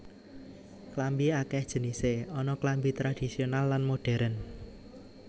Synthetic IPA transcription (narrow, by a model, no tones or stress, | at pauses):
klambiakɛhd̥ʒ̥ə̤niseɔnɔklambit̪ɾad̥isionalːanmoɖ̥ɛ̤ɾən